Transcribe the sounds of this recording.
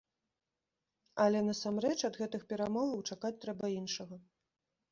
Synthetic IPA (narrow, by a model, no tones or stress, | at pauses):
ɐlʲɛnɐsamrɛt͡ʂɐd̪ɣɛt̪ɨxpʲɛɾamɔvɐwt͡ʂakat͡sʲt̪ɾɛbɐinʂɐɣɐ